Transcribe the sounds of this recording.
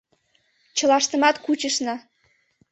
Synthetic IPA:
t͡ɕɤ̆lɑʃt̪ə̆mɑt̪kut͡ɕəʃnɑ

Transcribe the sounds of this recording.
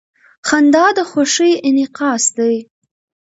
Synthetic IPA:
χand̪ɑːd̪əχʷoʂijɪnɪqɑːsd̪ej

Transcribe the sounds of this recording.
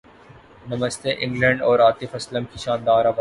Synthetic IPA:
nɐməst̪eʔɪ̃ŋɡlə̃ɳɖɔːɾaːt̪ɪfɐsləmkiʃãːnd̪aːɾaba

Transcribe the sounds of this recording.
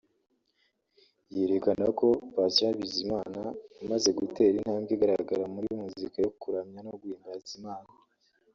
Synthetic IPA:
je̞ɾekanako̞βasaβizimaːnaamaze̞ɡute̞ːɾin̥haːmɡeɡaɾaɡaɾamuɾimuzikajokuɾamɲanoɡwiːmbazimaːna

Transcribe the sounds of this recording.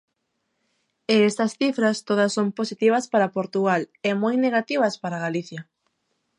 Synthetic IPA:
eest̪ɐsθifɾɐst̪oðɐsːomposit̪iβ̞ɐspaɾapoɾt̪uɣalemojneɣat̪iβ̞ɐspaɾaɣaliθjɐ

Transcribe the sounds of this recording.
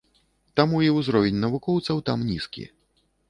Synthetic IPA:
t̪amuiwzɾɔvʲenʲnɐvukɔwt̪sɐwt̪amnʲiskʲḭ

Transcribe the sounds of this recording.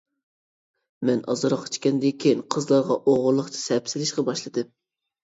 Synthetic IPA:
mɛnɑ̰zɨɾɑqt͡ʃʰkʲɛnd̪ɪkʲʰejiŋqʰəzlˠɑɾʁɑʔoʁʊɾlˠəχt͡ʃʰɪ̥sɛpsɪlɪʃqɑbɑʃlˠɨd̪ɨm

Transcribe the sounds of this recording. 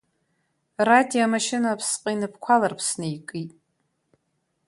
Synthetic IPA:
radijomaʃɪnapʰsqʼainɨp̚ʰkʷʰalarpʰsnɨjkʼitʼ

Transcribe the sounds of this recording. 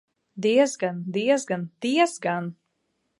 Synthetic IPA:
d̪iɛzɡand̪iɛzɡand̪̥iɛzɡan

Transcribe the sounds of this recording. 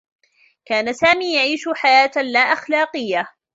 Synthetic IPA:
kaːnasaːmiːjaʕiːʃʊħajaːt̪laːʔaxlaːqɨjːa

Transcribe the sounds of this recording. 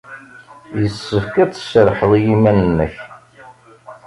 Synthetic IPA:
jəsːəfkæt͡sːə̥ʃəɾħəðˤijimænənːəç

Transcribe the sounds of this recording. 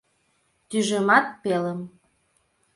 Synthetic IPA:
t̪yʒemɑt̪̚peləm

